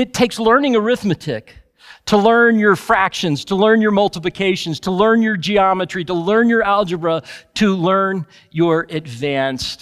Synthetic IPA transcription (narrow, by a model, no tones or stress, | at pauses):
ɨtʰeɪkslɜ̃˞nɪ̃ŋəɹɪθmɨtʰɪk | tʰəlɜ̃˞njə˞fɹækʃɨ̃nz̥tʰəlɜ̃˞njə˞mʌlˠtəplɨkʰeɪʃɨ̃n̩z̥tʰəlɜ̃˞njə˞d͡ʒiɑmɨt͡ʃɹ̥iɾəlɜ̃˞njə˞ælˠd͡ʒəbɹəɾʰəlɜ̃˞n | jə˞ɨdvæ̃nst